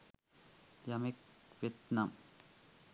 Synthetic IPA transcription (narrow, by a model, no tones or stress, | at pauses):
jɐmek̚ʋet̪nɐm